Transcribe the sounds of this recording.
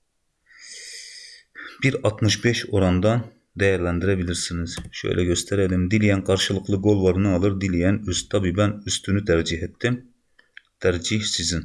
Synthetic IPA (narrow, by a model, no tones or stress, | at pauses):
b̥iɾɑt̪mɯʃbɛʃoɾɑnd̪ɑn | d̪ɛjæɾlɛnd̪iɾɛbiliɾsiniz̥ʃø̰jlʔɛɡʲøst̪ʰɛɾɛd̪imd̪ilijɛnqʰɑɾʃɯlˠɯqlˠɯɡolˠvɑɾɯnɯɑlˠɯɾd̪ilijɛnyst̪ʰɑbiːbɛnyst̪ʰynyt̪ʰæɾd͡ʒiɦɛt̪ʰːɪm | t̪ʰæɾd͡ʒihsizin